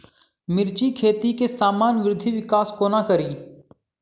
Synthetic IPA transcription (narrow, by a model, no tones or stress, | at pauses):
mɪɾt͡ʃikʰeːt̪ikesaːmaːnʋɾɪd̪ʱiʋɪkaːskoːnakəɾiː